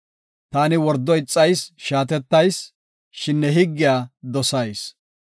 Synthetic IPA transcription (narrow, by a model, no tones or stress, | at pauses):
t̪aːnɪwɔɾd̪ːɔjɪt͡sʼːɐjsʃaːt̪ɛt̪ːɐjs | ʃɪnːɛɦɪɡːɪjaːd̪ɔsɐjs